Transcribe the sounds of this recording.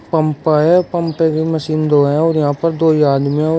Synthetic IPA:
pəmpaɦɛːpəmpẽːbiːməsiːnd̪oːɛ̃ɔːɾjɪɦãːpəɾd̪oːiaːd̪miã

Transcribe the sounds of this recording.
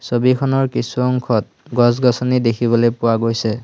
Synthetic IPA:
sobikʰɔnɔɹkisuɔŋkʰɔt̚ | ɡɔsɡɔsɔnidekʰibɔlojpʊwaɡojsɛ

